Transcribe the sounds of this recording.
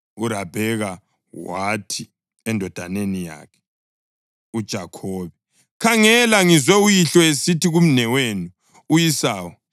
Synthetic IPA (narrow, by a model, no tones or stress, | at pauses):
uɾab̥ʱɛɣa | watʰi | ɛndʱɔd̥ʱanenija̰ːkʰɛ̥ | ud̥ʒ̥ʱakʰɔːβɛ | kʰaŋɛlaŋizwɛujiɬɔesitiɣum̩nɛwenu | ujisaːwɔ